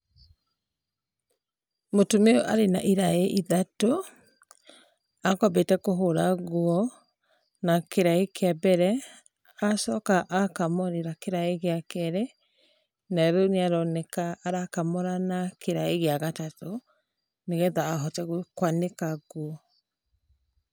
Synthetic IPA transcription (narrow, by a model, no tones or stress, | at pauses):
motomeoʔa̰ɾena̰ʔiɾaeʔiðato | akabetɛkoɦoɾaɣwɔ | nakeɾaekeabɛɾɛ | asɔkaʔakamɔɾeɾakeɾaeɣeakɛɾe | naɾoneaɾɔnɛkaːɾakamɔɾanakeɾaeɣeaɣatato | neɣɛðaːɦɔtɛɣɔkwanekaɣwɔ